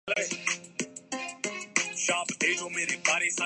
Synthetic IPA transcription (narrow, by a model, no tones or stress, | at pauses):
le | ʃaːbd̪eːd͡ʒoːmeːɾebaːɾesã